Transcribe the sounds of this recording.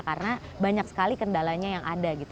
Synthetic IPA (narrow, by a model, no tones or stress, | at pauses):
karnabaɲak̚sə̥kalikəndalaɲajaŋʔa̰daɡit̪